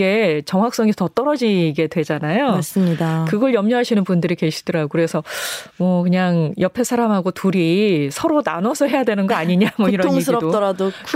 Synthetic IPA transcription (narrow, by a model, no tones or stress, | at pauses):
e̞t͡ɕʌŋɦak̚s͈ʌŋesʰʌtʌt͈ʌɾʌd͡ʑiɡe̞dwe̞d͡ʑanajoas͈ɯmɲidakɯɡʌɭjʌmɲʌɦaɕʰinɯnbundɯɾike̞ɕʰi̥dʌɾaɡokɯɾe̞sʰʌmwʌkɯɲaŋjʌpʰesʰaɾamɦaɡotuɾisʰʌɾona̰nwʌsʰʌɦe̞jadwe̞nɯnɡʌaɲiɲamwʌiɾʌoŋs̬ʰɯiɾʌdot͈ʌɾadokʰ